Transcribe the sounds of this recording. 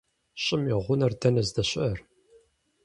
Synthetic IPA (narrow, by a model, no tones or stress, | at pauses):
ɕʼɪmiʁʷʊnɐrdʰɐnɐzdɐɕʼɐr